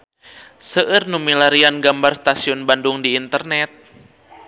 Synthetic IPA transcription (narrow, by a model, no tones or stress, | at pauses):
səʔɨrnumilaɾianɡambarst̪asiɔnbanduŋdiːnt̪ərnɛt̪̚